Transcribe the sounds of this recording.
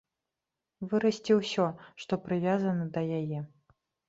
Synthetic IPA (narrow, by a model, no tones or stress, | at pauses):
vɨɾɐsʲt͡sʲiwsʲɔʂt̪ɔpɾɨvʲazɐnɐd̪ɐjajɛ